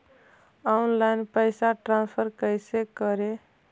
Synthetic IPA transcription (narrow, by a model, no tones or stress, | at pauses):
ɔunlajnpəjsaʈɾãnspʰəɾkəjsekəɾe